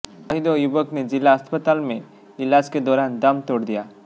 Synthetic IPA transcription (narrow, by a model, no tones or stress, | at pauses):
əɦid̪ojubəkned͡ʒɪlːaɦəspət̪aːlmẽ | ɪlaːd͡ʒked̪ɔːɾaːnd̪ɐmt̪oːɽd̪ijaː